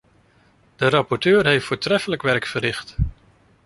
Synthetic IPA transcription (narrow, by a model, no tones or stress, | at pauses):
d̥əɾɑpɔɹtøːrɦejftfʊːɹtrɛfələkʋɛrkfərɪχt